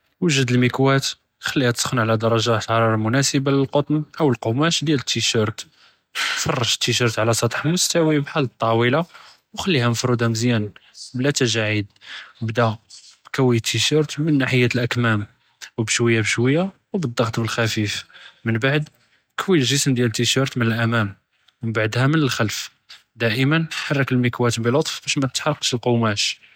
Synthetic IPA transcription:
wəʒəd̪əlmikwæt̪ | xælːihæt̪ə̥sxənʕlæd̪ɑɾˤɑʒat̪ɑɾˤɑɾˤɑmʊnæsəbaləlqot̪ˤnʔəwəlqomæʃd̪jælət̪ːiʃəɾˤt̪ | fɑrˤːɑʒt̪ːiʃəɾt̪ʕlæsˤɑt̪ˤħmʊst̪æwibħalːt̪ˤːɑwila | wxælːihænəfɾud̪hæməzjæn | blæt̪æʒaʕid̪̚wbd̪æbkæwːit̪ʰːiʃɑɾt̪mənːaħəjːæt̪əlʔækmæm | wbəʃwəjːabəʃwəjːa | wbəd̪ːɑɣt̪ˤbəlxæfifmənbaʕd̪ | kwiəlʒəsəmd̪jælət̪ːiʃɑɾˤt̪mənəlʔæmæm | məbaʕd̪hæmənəlxælf | d̪æʔəmənħɑrˤːɑkəlmikwæt̪əbilot̪ˤfb̥æʃmæt̪ət̪ħɑɾˤːɑqʃəlqomæʃ

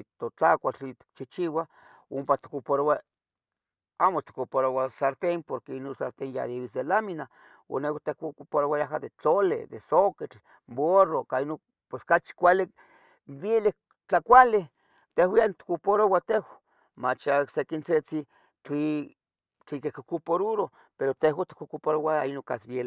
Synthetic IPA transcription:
t̪ot͡ɬakʷat͡ɬit̪i̥k̚t͡ʃit͡ʃiwa | ompat̪i̥kopoɾowa | amot̪i̥kopoɾowasaɾt̪empoɾkeinonsaɾt̪enja̰d̪iwisd̪elamina | o̰newat̪ekkpoɾowajaɦad̪et͡ɬolḛd̪esoket͡ɬ | borokaino | pweskat͡ʃi̥kʷali | bjele | t͡ɬakʷale | t̪ehwjant̪i̥kupoɾowat̪ewa | mat͡ʃasekint͡set͡si | t͡ɬi | t͡ɬikekokupoɾuɾo | peɾot̪ehwat̪i̥kukupoɾowainoŋka̰sbjel

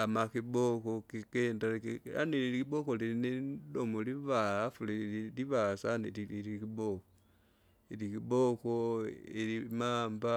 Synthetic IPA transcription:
amaxibokokikendaleka̰nililikiβokolilinedomuliβaafuliiliβasaniliilikiβoko | ilikiβokoilimaːmba

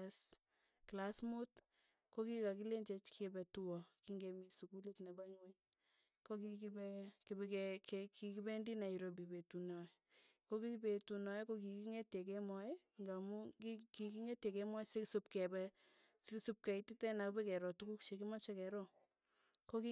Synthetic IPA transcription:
s | klasmut | kokikakileɲd͡ʒet͡ʃkʰbɛtuwɔkiŋɡemisukulitnebaɲweɲ | kokikibɛkibekɛkekikibendinaiɾobibetunɔ | kokibetunɔjekokikiŋetjek̬ɛma | ŋɡamukikikiŋetjekɛmwasesupkɛbɛ | sesup̚keititɛnakbekɛɾɔtukukʃekimat͡ʃakɛɾɔ | koki

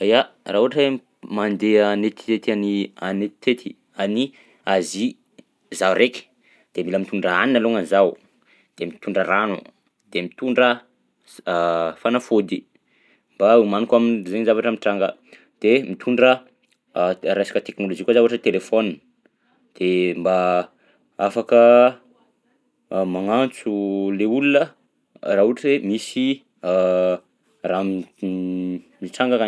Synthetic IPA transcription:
aja | raːuaʈ͡ʂə | mand̪eanet̪i̥t̪et̪ianianet̪i̥t̪ʰet̪ʰi̥ | ani | azi | zawreki̥ | d̪̥emiləmit̪uɳɖ͡ʐəaninaloŋanzaw | d̪̥emit̪uɳɖ͡ʐəranṵ | d̪̥emit̪uɳɖ͡ʐə | fanafod̪i | mbaumanikaminzeɲzavaʈ͡ʂəmiʈ͡ʂaŋɡə | d̪̥emit̪ʰuɳɖ͡ʐə | ɾajsḁkət̪eknolod͡ʒikazauaʈ͡ʂət̪elefon | d̪̥emba | afakə | maŋant͡suleulunə | raɦuʈ͡ʂəemisi | ra | miʈ͡ʂaŋɡaka

